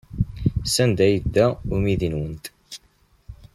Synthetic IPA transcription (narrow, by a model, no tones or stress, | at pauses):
sænd̪æjəd̪ːæʊɾmiðinwənt̪